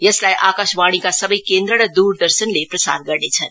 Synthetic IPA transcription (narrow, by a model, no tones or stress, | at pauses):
jɐslajʔaːkaʃbaɽ̃ikasəbəjkend̪ɾəɾʌd̪uɾd̪əɾsənlepɾɐsa̰ːɾɡəɾnet͡sʰən